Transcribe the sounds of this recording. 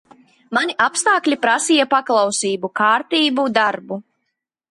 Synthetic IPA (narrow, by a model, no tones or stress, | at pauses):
manʲiʔapst̪aːklʲipɾasijapaklˠawsiːbukaːɾt̪iːbud̪aɾbu